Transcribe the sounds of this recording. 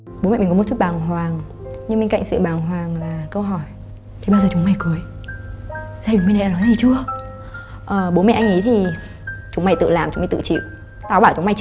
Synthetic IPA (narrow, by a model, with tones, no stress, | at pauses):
ɓo˨˦mɛ̰˧˨˩km̚˨˩t͡ɕu˦˥t̚ɓaː˨˩ŋɦwaː˨˩ŋ | ɲɨ˧m˧ŋka̰˧˨jŋsɨ̰˧˨ɓaː˨˩ŋɦwaː˨˩ŋlaː˨˩kə˧wɦɔ˧˩j | t̪ʰi˨˩ɓaː˧zəː˨˩t͡ɕʊ˨˦ŋ͡mma˧˩jku˨˦əj | zaː˧i˨˩ŋmu˧n˨˩˨aː˧˨nɔ˨˦zi˨˩t͡ɕɨ˧ə | ʔəː˨˩ɓo˨˦mɛ̰˧˨ʔŋʔi˨˦t̪ʰi˨˩ | t͡ɕʊ˨˦ŋ͡mma˧˩jt̪ɨ̰˧˨laː˨˩mt͡ɕŋ͡mm˧˩jt̪ɨ̰˧˨t͡ɕḭ˧˨w | t̪aː˧˩wɓaː˧˩wt͡ɕʊ˨˦ŋ͡mma˧˩j